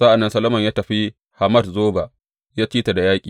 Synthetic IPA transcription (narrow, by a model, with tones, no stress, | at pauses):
sa˦ʔa˨nːɐ˦nsɐ˦lo˦mɐ˨ɲjaː˦tɐ˨ɸi˦ | ha˨mɐ˦dzoː˦ba˨ʔ | jaː˦t͡ʃiː˦ta˨da˨jaː˦kʲʼiː˨